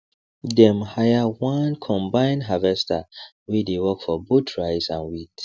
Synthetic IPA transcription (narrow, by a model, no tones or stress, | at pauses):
dɛ̃mhajawãnkʰɔ̃mbãɪ̃nɦavɛstʰa̰ | widewɔkfɔbutʰɹaɪsã̰nwit